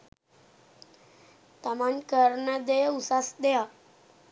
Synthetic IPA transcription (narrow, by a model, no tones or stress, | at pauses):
t̪amankəɾɳəd̪ejusasd̪eja